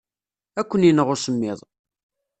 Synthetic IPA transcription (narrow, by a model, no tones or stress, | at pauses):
ækʷːənjinəʁʊsəmːɪðˤ